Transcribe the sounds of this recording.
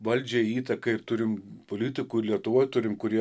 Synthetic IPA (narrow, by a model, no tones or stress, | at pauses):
ʋɐlʲd͡ʒʲɛiːt̪ɐkɐɪrt̪ʊɾʲɪmpoːlʲɪt̪ʲɪkuːɪɾlʲiɛt̪ʊʋoːjt̪ʊɾʲɪmkʊɾʲiɛ